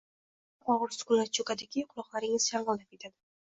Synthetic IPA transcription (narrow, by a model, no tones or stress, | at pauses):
qɒʁʊɾsʊ̥kʊlaɾt͡ʃʰokad̪aɡʲɪqʰʊlˠɒqlˠaɾɪŋɪz̥jɑɴʁɨlˠap̚e̞t̪ʰad̪ɪ